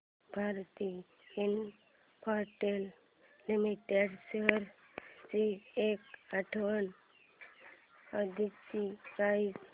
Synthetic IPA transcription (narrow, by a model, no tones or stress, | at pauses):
bʱaɾt̪i | in | pʰaɾʈel | limiʈeɖseɦəɾ | t͡ʃiekaʈʰʋən | əd̪ʱit͡ʃiais